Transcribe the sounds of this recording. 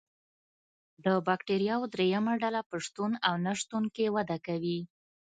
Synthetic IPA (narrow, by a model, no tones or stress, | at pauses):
d̪əbɑkʈeɾijɑwd̪ɾejamaɖalapəʂt̪unawnaʂt̪unkewad̪akawi